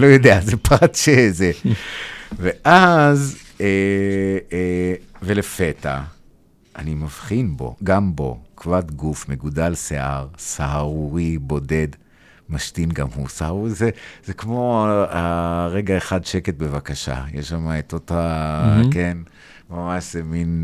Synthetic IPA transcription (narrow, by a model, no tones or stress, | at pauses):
lojo̞d̪eazepʁat̪ʃeze | ve̞ʔaz | e | velefeta | ʔːnimavχinbo̞̰ɡambo̞̰kvat̪ɡufmeɡudalseʔaʁsaɦaʁuʁibo̞de̞d | maʃtinɡamhṵsahaʁuizezekmo̞aʁeɡaeχadʃeke̞t̪̚bevakaʃa̰jeʃamaet̪otaken | mamaʃzemin